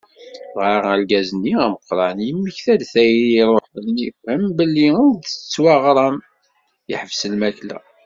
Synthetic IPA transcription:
vʁɑɾælɡæzənːiæməqːɾˤɑnjimːiçθæd̪θæjɾɾˤoħðnifhəmbəlːiʊd̪t͡sːwɑʁɾˤɑm | jə̰ħəvsəlmæklæ̰

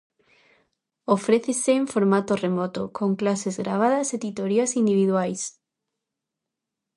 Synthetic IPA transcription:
ofɾeθeseːɱfoɾmat̪oremɔt̪okoŋklasezɣɾaβ̞aðɐset̪it̪oɾiasind̪iβiðwajs

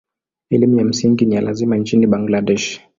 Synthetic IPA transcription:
ɛlimujam̩siŋɡinijalazimant͡ʃiniɓaŋɡladɛʃ

